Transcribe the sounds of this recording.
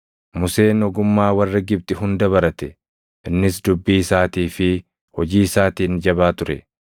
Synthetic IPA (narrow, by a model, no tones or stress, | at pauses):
mʊse̞ːnɔɡʊmːaːwɐrːɐɡɪb̚t̪ʼɪɦʊnd̪ɐβɐɾɐt̪ɛ | ʔɪnːɪs̬d̪ʊbːiːɪsaːt̪iːfɪ | hɔd͡ʒiːɪsaːt̪iːnd͡ʒɐbaːt̪ʊɾɛ̰